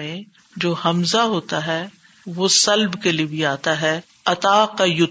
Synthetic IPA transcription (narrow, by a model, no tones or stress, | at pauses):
ẽ | d͡ʒoːhɐmzaɦoːt̪aɦɛː | ʋosɐlbkeliebʱiaːt̪aɦɛː | ɐt̪aːqajʊ